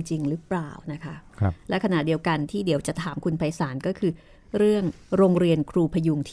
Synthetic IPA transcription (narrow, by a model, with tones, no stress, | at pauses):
ŋt͡ɕi˧ŋɾɯ˦˥plaː˨˩wna˦˥kʰa˦˥lɛ˦˥kʰa˧na˨˩di˧əwka˧nt̪ʰiː˥˩di˩˦əwt͡ɕa˨˩t̪ʰaː˩˦mkʰu˧npʰa˧jsaː˩˦nkɔː˥˩kʰɯː˧ | ɾɯ˥˩əŋ | ɾoː˧ŋɾi˧ənkʰɾuː˧pʰa˧ju˧ŋt̪ʰː